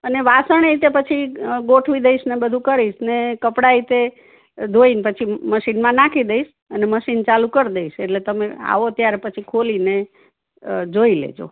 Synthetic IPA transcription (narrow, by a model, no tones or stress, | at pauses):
əneʋasəɳ̃eit̪epət͡ʃʰiɡoʈʰʋid̪əiʃnebəd̪ʱũkəɾiʃnekəpɽait̪e | d̪ʱoinpət͡ʃʰiməʃinmãnakʰid̪əiʃ | əneməʃint͡ʃalukəɾd̪eiʃeʈlet̪əmea̰ʋot̪jaɾepət͡ʃʰikʰoline | d͡ʒoilḛd͡ʒo̰